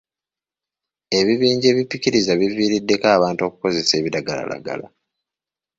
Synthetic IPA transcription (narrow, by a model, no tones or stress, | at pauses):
e̞βiβiːɲɟe̞ːβipːiciɾizaβiviːɾidːe̞kaːβaːntoku̥ko̞ze̞se̞ːβiɾaɡala̰la̰ɡa̰la̰